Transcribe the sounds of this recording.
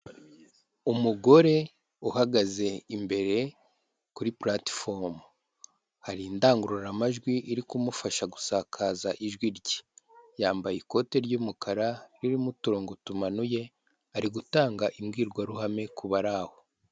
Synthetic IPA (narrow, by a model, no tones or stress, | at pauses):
umuɡo̞ɾe̞ | uhaɡaze̞imbe̞ɾe̞ | kuɾiplatfoɾm | haɾindaːŋɡuɾoɾamaʒɡwiʔːɾikumufaʃaɡu̥saːkʰaːzaʔiʒɡwiɾɟi̥jaːmbajiko̞te̞ɾɟuːmukʰaɾaɾiɾimutuɾo̞ːŋɡo̞tumanuje̞ | aɾiɡutaːŋɡaʔimɡiːɾɡwaɾuhame̞kuβaɾaho